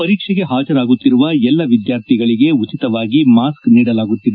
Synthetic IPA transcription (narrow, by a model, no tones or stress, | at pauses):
pɐɾiːkʂɛɡe̞ɦaːd͡ʒɐɾaːɡut̪ːiɾuʋɐɛlːɐʋid̪jaːɾt̪ʰiɡɐɭiɡe̞ut͡ʃit̪ɐʋaːɡimaːskniːɽɐlaːɡut̪ːid̪e